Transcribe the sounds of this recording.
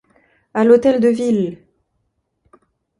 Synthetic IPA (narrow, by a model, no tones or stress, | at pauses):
alot̪ɛld̪əvil